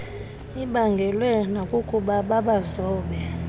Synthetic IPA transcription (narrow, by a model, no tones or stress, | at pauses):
iɓaŋɡʱɛlwɛnakʼukʼuɓaɓaɓazɔːɓɛ